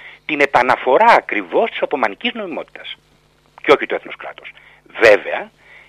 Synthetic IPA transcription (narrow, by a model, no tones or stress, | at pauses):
t̪ine̞pɐnɐfo̞ɾɐːkɾivo̞st̪isot̪o̞mɐnicizno̞imo̞t̪i̥t̪ɐ̥s | ceo̞çit̪oeθnoskɾɐ̰t̪o̞s | ve̞ve̞ɐ